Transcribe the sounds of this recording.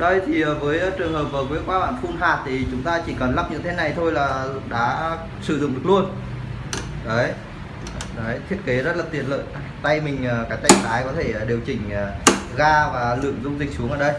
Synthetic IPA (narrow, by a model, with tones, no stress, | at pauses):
ɗə˧˩jt̪ʰi˨˩ʔəː˨˩vəː˨˦jt͡ɕɨ˨˩əŋhəː˨˩p̚ʔəː˨˩ku˨˦əkwaː˧ɓa̰ː˧˩˨nfu˧nɦaː˨˩t̚t̪ʰi˨˩t͡ɕʊ˨˦ŋ͡mt̪aː˧t͡ɕi˧˩kə˨˩nla˦˥p̚ɲɨ̰˧˥t̪ʰe˨˦na˨˩jt̪ʰo˧jlaː˨˩ɗa̰ː˧˥ | sɨ˧˩zʊ̰˧˨ŋ͡mɗək̚lu˧ən | ɗə˨˦j | ɗə˨˦jt̪ʰi˦˥ət̚ke˨˦zə˦˥t̚laː˨˩t̪i˧˩ənlə̰ː˧˨j | t̪a˧jmï˨˩ŋ̟əː˨˩kaː˨˦˥j̚t̪a˧˩ŋt̪ʰaː˨˦jkɔ˨˦t̪ʰe˧˩˨ɗi˨˩əwt͡ɕï˨˩ŋ̟ː˨˩ɣaː˧vaː˨˩lɨ̰˧˨əŋzʊ˧ŋ͡mzï˨˩k̟̚su˨˦ŋʔəː˧˩ɗə˧j